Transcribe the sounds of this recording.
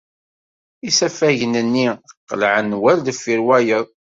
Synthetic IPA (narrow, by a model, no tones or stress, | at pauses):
isæfæʝənənːiqːəlʕənːwæld̪əfːiɾwæjəðˤ